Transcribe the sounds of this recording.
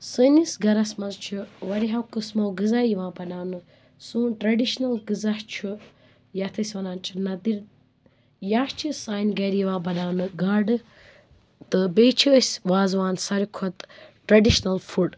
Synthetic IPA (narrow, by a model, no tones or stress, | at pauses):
sɨnisɡɐɾɐsmɐzt͡ʃʰuʋɐɾiɦɐwkɨsmɐwɡɨzaːjiʋãːbɐnaːnɨ | sũːʈɾɐɖiʃnɐlɡɨzɐht͡ʃʰu | jɐt̪ʰɐsʲʋɐnaːnt͡ʃʰinɐd̪iɾ | jaht͡ʃʰisaːjnɡɐɾiʋãːbɐnaːnɨɡaːɖɨ | t̪ɨbeːt͡ʃʰisʲʋaːzʋaːnsɐɾukʰot̪ʈɾɐɖiʃnɐlfuɖ